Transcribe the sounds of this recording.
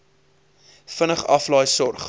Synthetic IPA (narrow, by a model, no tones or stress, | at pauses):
fənəχɐ̰flɑjsɔrχ